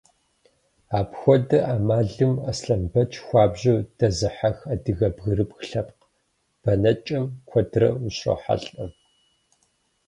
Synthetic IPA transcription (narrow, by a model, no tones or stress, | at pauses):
aːpxʷɔdɐʔaːmaːɮɨmɐsɬɐmbɐt͡ʃʰxʷɑːbʑɐwd̥ɐzɨħaxɐdɨɣɐbɣɨɾɨpxɬɐp̚q | b̥ɐnɐt͡ʃʼɐmkʷʰɔdrɐ̰uɕo̰ːħa̰ɬʼɐm